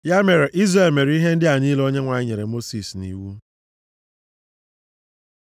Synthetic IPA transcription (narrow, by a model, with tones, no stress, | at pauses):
ja˦me˨ɾe˨ʔi˦zre˨lme˨ɾi˦ɦe˦n̩˦dɪ˦a˨niː˦lo˦ɲe˦ŋʷa˨ɪ˦ɲe˨ɾe˨mo˦si˨snḭ˨wu˦